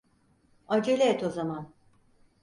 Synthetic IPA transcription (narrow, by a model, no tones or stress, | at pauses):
ad͡ʒelʲeɛt̪ʰo̞zaman